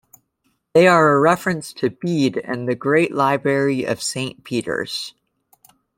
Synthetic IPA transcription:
ðeɪə˞əɹɛfɹɨ̃nstʰɨbiɾɨ̰̃nðɨɡɹeɪʔlaɪbɹɛɹiʔʌ̰v̥sẽɪ̃npʰiɾə̰˞z̥

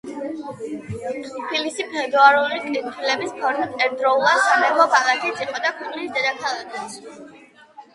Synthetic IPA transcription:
pʰilisipʰɛd̪uaɾulikʼit̪ʰilɛbispʰɔɾmit̪ʰɛɾd̪ɾɔulˠasmɛvɔbalat̪ʰɛt̪sʼiqʰʼɔd̪akʰuqʼlisd̪ɛd̪akʰalˠɛd̪ɛs

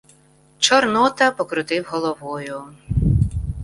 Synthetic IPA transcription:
t͡ʃɔrnɔt̪ɐpɔkɾʊt̪ɪwɦɔlˠɔʋɔjʊ

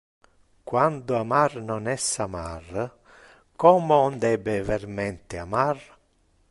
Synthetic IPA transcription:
kwand̪ʊamarnonɛsamar | kɔːmoɔnd̪ɛbevermɛnt̪eamar

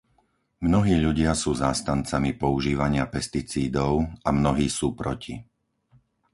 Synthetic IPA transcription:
mnɔɦiːʎuɟɪasuːzaːst̪ant͡samipɔuʒiːʋaɲɪapɛst̪it͡siːd̪ɔʊamnɔɦiːsuːpɾɔci

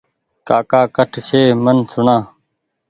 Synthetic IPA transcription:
kaːkaːkəʈʰt͡ʃʰeːmənsʊɳãː

